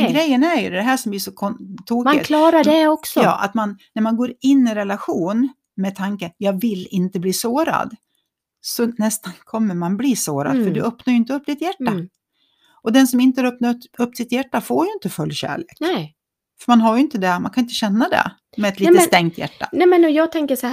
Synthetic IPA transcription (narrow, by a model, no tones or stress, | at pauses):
ɡɾɛjːənæɾjɵd̪d̪ɛɦæːʂɔmb̪liʂɔkʰɔt̪ʰuːkmaɪ̰kʰlɑːɾaɖɛɔksɔɑ̰ːʔa̰t̪manːæɾmanɡoːɾɪnːɪɾɛlaɧuːn | mɛt̪ʰaŋkəjɑːvɪlɪnt̪əbliːsoːɾa̰d̪ | sɔnɛst̪ankʰɔmːəɾmanbliːsoːɾa̰d̪ffœɖɵœpnaɾjʏɪnt̪əɵpːd̪ɪt̪jæʈːa | ʔɔd̪ɛnsɔmɪnt̪əaɾœpnaɵpːd̪ɪt̪jæʈːafoːɾjɵɪnt̪əfɵlːjɕæ̰ːɭeːk | fœɾmanɦaɾjʏɪnt̪əd̪ɛmankʰaɪnt̪əɕɛnːad̪ɛ̰ | mɛːt̪lisst̪ɛŋt̪ʰjæ̰ʈːa̰nɛmɛnɔjɑːt̪ʰɛŋkəʂɔ